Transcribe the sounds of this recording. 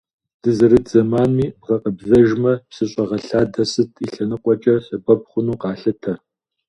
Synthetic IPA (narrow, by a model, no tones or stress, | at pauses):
d̥ɨzɐɾɨd͡zɐmaːnmiːbʁɐqəbzɐʒmɐpsɨɕʼɐʁɐɬaːdɐsɨtʰiɬɐnɨqʷʼɔt͡ʃʼɐɬɐbɐpχʷʊnuːqɑːɬɨtʰɐ